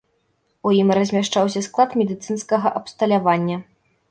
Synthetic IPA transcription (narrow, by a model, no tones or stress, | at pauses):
ujimrɐzʲmʲaʂt͡ʂawsʲɐsklˠat̪mʲɛd̪ɨt̪sɨnskɐɣɐʔɐpst̪ɐlʲavanʲːɐ